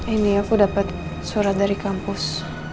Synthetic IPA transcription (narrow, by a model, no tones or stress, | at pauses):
emiafudapat̪̚ | suɾat̪̚daɾikampʊs